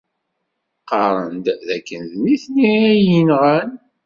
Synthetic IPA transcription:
qɑɾˤənd̪ðækːənðniθniɾæjinʁæn

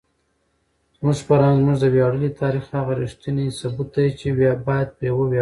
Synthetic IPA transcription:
zmuʒpaɾɑnzmuʐd̪əbjɑɽəlit̪ʰɑɾixhaɣaɾiʂt̪inisabut̪̚d̪ajt͡ʃewjbɑjad̪̚pəjawow

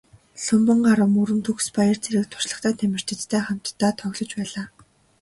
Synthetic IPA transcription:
ɬʊmpə̆ɴɢaɾə̆muɾɘ̆nt̪ʰɵxspajə̆r̥t͡sʰeɾɘ̆k̚t̪ʰʊ̥rɮə̆χt̪ʰaːt̪ʰæmʲɪ̆r̥t͡ɕ̪ʰɘ̆t͡st̪ʰæːχam̥t̪ʰːaːt̪ʰœɣʲɮɞ̆t͡ɕpæːɮaː

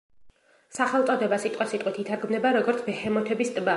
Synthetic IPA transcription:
saχɛlˠʼɔd̪ɛbasit̪ʼqʼwasit̪ʼwit̪ʰit̪ʰaɾɡmnɛbaɾɔɡɔɾt̪sʰbɛhɛmɔt̪ʰɛbist̪ʼba

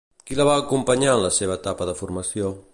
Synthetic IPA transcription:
kilaβaːkumpɐɲanləseβ̞ət̪apəðəfuɾmasjo

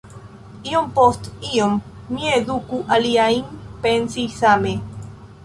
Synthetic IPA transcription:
iompost̪iomː | ieðukuʔaliaimpensijsame

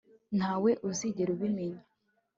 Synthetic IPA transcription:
n̥haːwe̞ʔuziɟeɾuβimeɲe

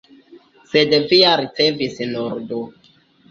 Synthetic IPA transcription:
sedviaɾit͡sevisnoɾdo

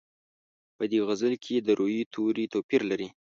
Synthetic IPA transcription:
pəd̪eɣazəlkʰed̪əɾʔojit̪ʰoɾit̪opiɾlaɾi

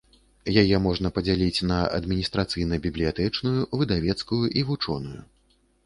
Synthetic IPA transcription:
jajɛmɔʐnɐpɐd͡zʲalʲit͡sʲnɐɐ̰d̪mʲinʲist̪ɾat̪sɨjnɐbʲiblʲijat̪ɛt͡ʂnujuvɨd̪avʲɛt̪skujuʔivut͡ʂɔ̰nujṵ

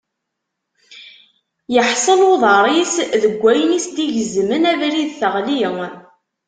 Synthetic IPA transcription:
jəħsˤəloðˤɑɾˤisðəɡʷːæjənisd̪iʝəzmənævɾiðθəʁliŋ

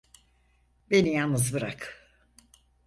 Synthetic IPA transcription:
benijannːɯzbɯɾak

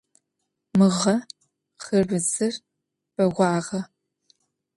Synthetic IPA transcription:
mɨʁɐ | χɨrbɨzɨr | b̥ɐʁʷɑːʁɐ

